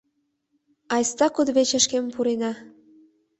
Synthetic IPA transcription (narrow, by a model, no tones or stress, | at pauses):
ɑjst̪ɑkud̪βet͡ɕə̆ʃkempuɾenɑ